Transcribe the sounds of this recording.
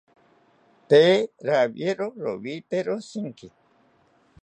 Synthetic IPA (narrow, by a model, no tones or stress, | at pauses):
t̪eɾaβjeɾoɾo̰βit̪eɾosiŋki